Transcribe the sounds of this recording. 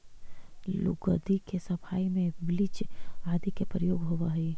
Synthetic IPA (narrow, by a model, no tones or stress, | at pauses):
lʊ̰ɡəd̪ikesɐpʰaːimẽblɪt͡ʃaːd̪ikepɾəjoːɡɦoʋaɦi